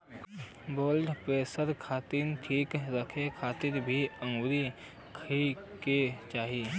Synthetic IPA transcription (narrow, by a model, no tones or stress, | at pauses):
boːlɖpɾeːsəɾkʰaːt̪inʈʰiːkɾəkʰekʰaːt̪ɪɾbʱiə̃ŋɡɾi | kʰiket͡ʃaːɦiː